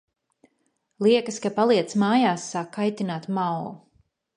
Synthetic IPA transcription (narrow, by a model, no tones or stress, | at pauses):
lˠiɛkəskapalˠiɛt̪smaːjaːsːaːkʰːajt̪inaːt̪mawlu